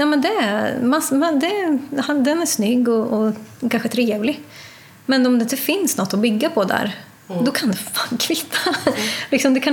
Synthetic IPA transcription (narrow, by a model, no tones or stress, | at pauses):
jaːmɛnd̪ɛmasmand̪ɛhand̪ɛnæʂnʏɡːɔɔkʰanɧət̪ʰɾeːvlɪ | mɛnɔmd̪ɛɪnt̪ːəfɪnsnɔt̪ːɔbʏɡːapʰɔd̪æ̰ɾ | d̪ɔkʰand̪ɛfaːnkʰvɪt̪ʰːalɪksɔmd̪ɛkʰa